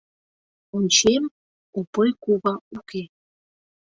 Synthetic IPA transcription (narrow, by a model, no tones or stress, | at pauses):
unʲt͡ɕem | upɤjkuβɑuke